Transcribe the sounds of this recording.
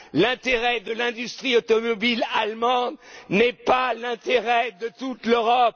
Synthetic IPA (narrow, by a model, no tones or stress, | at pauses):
lɛ̃t̪eʁɛd̪əlɛ̃d̪yst̪χiot̪ɔmɔbilalmɑ̃d̪nɛpalɛ̃t̪eʁɛd̪ət̪ut̪løʁɔp